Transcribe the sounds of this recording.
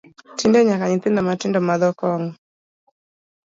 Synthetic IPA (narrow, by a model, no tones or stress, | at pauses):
tindɛɲakaɲit̪ɪndɔmatɪndɔmaðɔkɔŋ